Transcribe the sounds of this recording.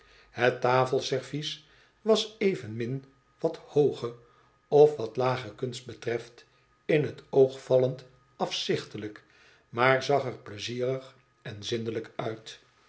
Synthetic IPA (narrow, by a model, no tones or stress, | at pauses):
hətaːfəlˠsɛɹvis | ʋɑsejvənmɪn | ʋɑthowχə | ɔfʋɑtlaːχəkɵnst̚bətrɛft | ɪnɦətowχfɑlənt | ɑfsɪχtələk | maːɹzɑχəɹpləziːrəχ | ɛnzɪndələkœɥt